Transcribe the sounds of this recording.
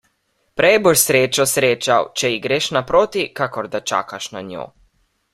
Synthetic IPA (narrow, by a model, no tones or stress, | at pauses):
pɾɛjɛboʃsɾeːt͡ʃɔsɾeːt͡ʃawt͡ʃɛiɡɾeːʃnapɾoːt̪ikakɔɾd̪at͡ʃa̰ːkaʃna̰ɲʲjo̰ː